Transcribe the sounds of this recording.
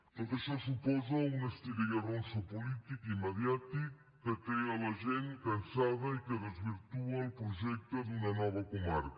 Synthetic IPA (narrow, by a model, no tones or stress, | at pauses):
oðeʃɐsupɔzɐunɐʃt̪iɣejɐrõsɐpulit̪ikimɐðjat̪i | kɐk̪ejɐlɐʒẽnkɐ̃nsaðɐikɨðezβiɾt̪uɐupɾuʒɛkt̪ɐðunɐnɔβɐkumaɾ